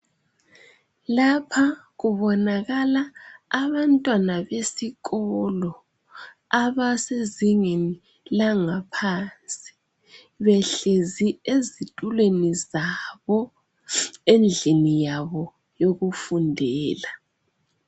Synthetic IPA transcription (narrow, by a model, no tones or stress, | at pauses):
lapʰa | ɣuβɔnaɣalaːβantʼwanaβesiɣɔlɔ | aβaseziŋeni | laŋapʰant͡sʼi̥ | βɛɬeziezitʼulwenizaβɔ | end͡ɮʱinijaβɔ | joɣufundʱɛːla